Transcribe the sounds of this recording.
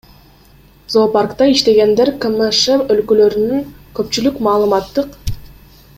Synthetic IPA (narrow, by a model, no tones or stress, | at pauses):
zoparkt̪ɑiʃt̪e̞ɡe̞nd̪e̞ɾkəməʃemølkølø̞ɾynyŋkøpt͡ʃylykmɑːlˠɯmɑt̪ːɯq